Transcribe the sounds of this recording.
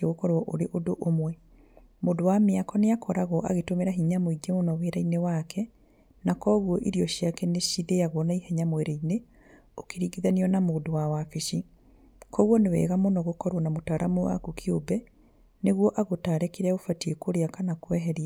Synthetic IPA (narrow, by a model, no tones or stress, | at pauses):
eɣokɔɾwɔʔoɾeʔodoʔomwɛ | moːdowameakɔneakɔɾaɣɔʔaɣetomeɾaɦiɲamoiɡemonɔweɾainewakʰɛ | nakɔɣwɔʔiɾiɔʃiakɛneʃiðeaɣwɔnaihɛɲamoeɾaine | okeɾiɡiðaniɔnamoːdowawafeʃi | kɔɣwɔnewɛ̰ɣamonɔɣokɔɾwɔnamotaːɾamuwa̰kokʰiobɛ | neɣwɔʔaɣotaːɾɛkeɾɛaofatiekoɾeakanakwɛɦɛɾia